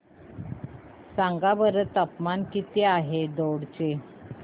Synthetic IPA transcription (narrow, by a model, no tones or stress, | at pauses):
saŋɡabəɾət̪əpmankit̪eaɦed̪oɽt͡ɕe